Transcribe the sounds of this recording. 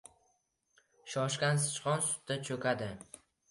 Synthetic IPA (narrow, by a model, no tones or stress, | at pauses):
ʃɒʃkʲansɪ̥t͡ʃqɒnsʊ̥t̪̚ːat͡ʃʰɵkʰʲad̪ɪ